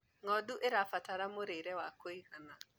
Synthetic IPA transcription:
ŋɔduʔeɾafataɾamoɾeiɾɛwakoihana

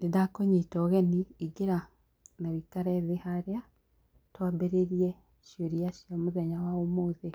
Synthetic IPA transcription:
nedakoɲitɔɣeniiɡeɾa | naβikaɾɛðehaɾea | twabeɾeɾie | ʃjoɾiaʃiamuðɛɲawaomoːðe

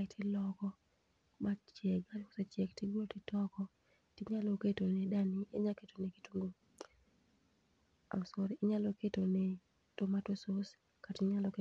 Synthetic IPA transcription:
tɪlɔkɔ | mat͡ʃɛɡalko̥sat͡ʃɛktɪɡotɪtɔkɔ | tɪɲaloketonɛdanieɲaketoneki̥tuŋɡo | a̰ʊsoɾɪɲalɔketonɛ | tomatosos | katɪɲalɔke

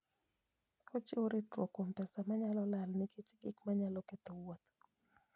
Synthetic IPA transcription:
kot͡ʃɪoɾɪtɾokompɛsamaɲalɔlalnɪkʰet͡ʃɡɪkmaɲalɔket̪owot̪

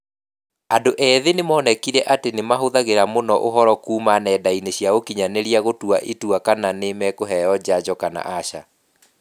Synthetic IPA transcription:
andoʔɛːðenemɔːnɛkiɾɛʔatenemaɦoðaɣeɾamonɔʔoɦɔɾɔkuːmanɛdaineɕjaɣokiɲaneɾiaɣotuaʔituakananemɛkoɦɛjɔd͡ʑad͡ʑɔkana̰ʔaɕa̰

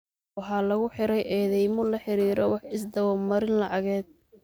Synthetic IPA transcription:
wɑħɑːlɐɣʊħɪɾɛjʔɛːðɛjmʊlɐħɪɾiːɾɔwɑħɪsd̪ɐwɑːmɐɾɪnlɑʕɑɣɛːd̪̚

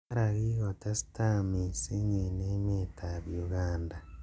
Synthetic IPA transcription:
aɾaɣiɣotasi̥tamisiɲenemetʰaβjuɣaːnda

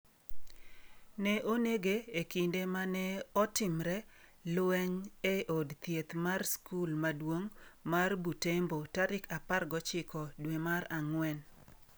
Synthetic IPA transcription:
nɛʔoneɡeeːkindemanɛɔtɪmɾɛ | lwɛɲeʔodt̪jet̪marskulmadwoŋmarbutembotaɾɪkaparɡɔt͡ʃɪkʰɔdwemaɾaŋwɛn

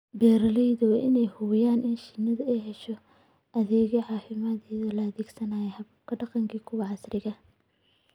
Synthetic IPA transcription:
bɛːɾɐlɛjðɔwɐʔɪnɛjhʊβɪjaːnʔɪnʃɪnɐðɐɛjɦɛʃɔ | ʔɐðɛːɣɛʕɑːfɪmɐðɛːðɐlɐːðiːɡsɐnaːjɛhɐβʊkʰɐɖɑqɑŋkʰiːkʰʊwɑʕɑsrɪɣɐ

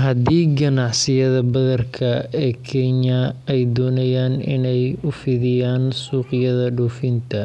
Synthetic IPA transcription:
ɦɐd̪iːɡɐnɑʕsɪjɐðɐbɐðɐrkʰɐɛːkʰɛɲɐɛjd̪ɔːnɐjaːnɪ̰nɛjʊfɪðɪjaːnsuːqɪjɐðɐɖuːfɪnt̪ʰɐ

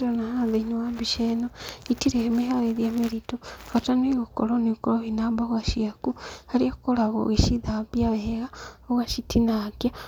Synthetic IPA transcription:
ɾonahaðeɲowabiʃenoitiɾemehaɣeðjameɾitoɣataniɣokoloniukooβinambaɣaʃiakuhaliakukolaɣo̰ɣiʃiðabjaβeheɣaoɣaʃitʰinakja

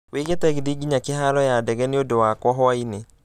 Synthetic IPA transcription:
weɣetɛɣɪdiɡiɲakeɦaɾɔjadɛɣɛneodowakwɔɦwaine

